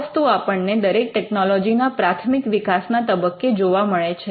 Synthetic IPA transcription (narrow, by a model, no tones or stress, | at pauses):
st̪uapəɳned̪əɾek̚ʈɛknɔlɔd͡ʒinapɾat̪ʰmikʋikasnat̪əbəkːed͡ʒoʋaməɭet͡ʃʰe